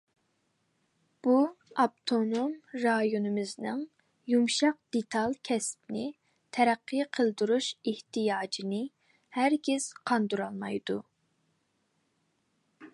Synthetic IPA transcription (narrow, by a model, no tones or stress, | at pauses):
b̥uɑp̚t̪ʰonomɾɑjonɨmɪznɪŋ | jumʃɑq̚d̪̥et̪ʰɑlˠkʲʰɛspnɪ | t̪ʰɛɾæqʰːɨqʰəlˠd̪uɾuʃeht̪ʰijɑːd͡ʒinɪ | hæɾɡʲɪz̥qʰɑnd̪uɾɑlˠmɑjd̪u